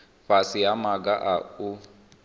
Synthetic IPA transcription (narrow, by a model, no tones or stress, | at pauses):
ɸasijamaɡaʔau